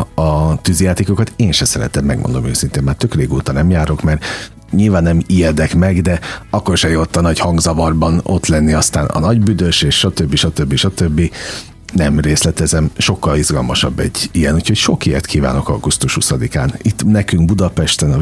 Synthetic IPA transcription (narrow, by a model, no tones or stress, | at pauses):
ɒt̪yzjaːt̪eːkokɒt̪eːnʃɛsɛɾɛ̰t̪ɛmmːɛ̰ɡ̚mo̰nd̪o̞møːsint̪eːmmaːrt̪ø̞kreːɡo̰ːt̪ɒnɛmjaːɾo̞kmɛr | ɲilvaːnːɛmijɛd̪ɛkmɛɡd̪ɛɒkːo̞rʃɛjot̪ːɒnɒchɒŋɡzɒvɒrbɒno̞̰t̪lɛnːiɒst̪aːnɒ̰nɒɟbyd̪øʃeːʃʃɒt̪øbːiʃɒt̪øbːiʃɒt̪ø̞bːi | nɛmreːslɛt̪ɛzɛmʃo̞kːɒlizɡɒlmɒʃɒbːɛɟːijɛnucʰhocʃo̞kiɛ̰rt̪kʰiːva̰ːno̞kɒ̰ɡust̪uʃhusɒd̪ika̰ːnit̪ːnɛkyŋɡbud̪ɒpɛʃt̪ɛnɒ